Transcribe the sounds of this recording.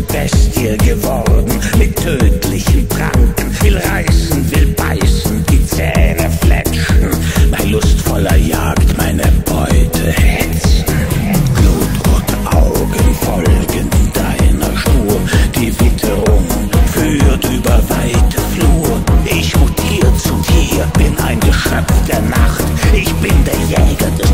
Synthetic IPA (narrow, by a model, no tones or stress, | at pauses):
b̥ɛstiɐɡəvɔʁdn̩mɪtʰːøːtʰlɪçən̩fʁa̰ŋkn̩vɪlʁaɪsn̩vɪlb̥a̰ɪsn̩d̥iːt͡sɛ̰ːnəflɛ̰t͡ʃn̩maɪnlʊstfɔlɐjaːktmaɪnəb̥ɔʏtʰəhɛt͡sn̩ɡ̥luːtʰʊntʔaʊɡənfɔlɡənɪnd̥aɪnɐ̰ʃpuːɐd̥iːvɪtʰəʁʊŋfyːtʔyːbɐvaɪtʰəfluːɐʔɪçmʊtʰiːʁt͡sutʰiːb̥ɪnʔaɪnɡəʃœp͡fd̥eːɐnaχtʔɪçb̥ɪndeːɐjɛːɡɐdɛs